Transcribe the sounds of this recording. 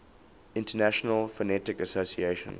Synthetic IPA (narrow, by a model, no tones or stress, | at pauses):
ɪ̃ntənæʃənəlˠfənɛtɪkəsosieʃə̰̃n